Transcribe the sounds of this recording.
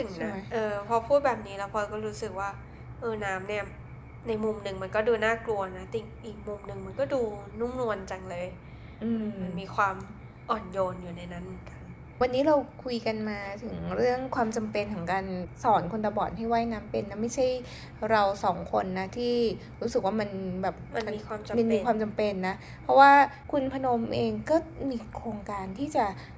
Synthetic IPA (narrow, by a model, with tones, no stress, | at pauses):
ɯ˨˩t͡ɕna˥˦ma˦˥jʔɤː˧pʰɔ˧pʰuː˥˩t̪̚bɛː˨˩p̚niː˦˥lɛː˦˥wpʰɔ˧kɔː˥˩ɾuː˦˥sɯ˨˩k̚waː˥˩ | ʔɤː˧naː˦˥mni˥˩ɐ | na˧jmu˨˧˩mnɯ˨˩ŋma˧nkɔː˥˩duː˧naː˥˩klu˧ɐna˦˥t̪i˨˩k̚ʔiː˨˩k̚mu˧mnɯ˨˩ŋma˧nkɔː˥˩duː˧nu˥˩mnu˧ənt͡ɕa˧ŋlɤː˧j | ʔɯː˧ma˧nmiː˧kʰwaː˧m | ʔɔː˨˩njoː˧njuː˨˩na˧jna˦˥nmɯ˩˦nka˧n | wa˧nːiː˦˥ɾa˧wkʰu˧jka˧nmaː˧t̪ʰɯ˩˦ŋɾɯ˥˩əŋkʰwaː˧mt͡ɕa˧mpe˧nt̪ʰa˩˦ŋkaː˧nsɔː˩˦nkʰo˧nt̪a˧bɔː˨˩t̪̚ha˥˩jwaː˥˩jnaː˦˥mpe˧nːa˦˥ma˥˩jt͡ɕʰa˥˩j | ɾa˧wsɔː˩˦ŋkʰo˧nːa˦˥t̪ʰiː˥˩ | ɾuː˦˥sɯ˨˩k̚waː˥˩ma˧nbɛː˨˩p̚ma˧n˧iː˧kwaː˧mma˧nmmiː˧kʰwaː˧mt͡ɕa˧mpe˧nːa˦˥ | pʰɾɔ˦˥waː˥˩ | kʰu˧npʰa˧no˧mʔeː˧ŋkɔː˥˩miː˧kʰɾoː˧ŋkaː˧nt̪ʰiː˥˩t͡ɕa˨˩